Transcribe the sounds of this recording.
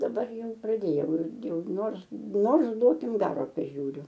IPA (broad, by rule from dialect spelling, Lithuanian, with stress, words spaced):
dɐˈbɐr ˈjɛʊ prɐˈdʲeːjɛʊ ˈɪrʲɡʲɪ ˈjɛʊ ˈnoːrs ˈnoːrs ˈduɔkʲɪm ˈɡɑːroː pɐˈʒʲuːrʲʊ